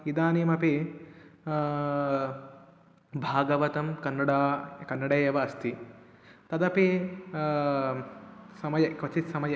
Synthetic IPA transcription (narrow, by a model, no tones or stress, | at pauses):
id̪aːnimɐpi | bʱaːɡɐʋɐt̪ɐmkɐnːɐɽaːkɐnːɐɽeːjɐʋɐɐst̪ʰi | t̪ɐd̪ɐpi | sɐmɐjɐkʋɐt͡ʃit̪sɐmɐjɐ